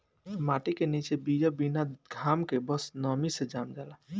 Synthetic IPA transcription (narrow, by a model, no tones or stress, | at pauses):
maʈikenit͡ʃebid͡ʒəbinaɡʱamkebəsnəmised͡ʒamd͡ʒala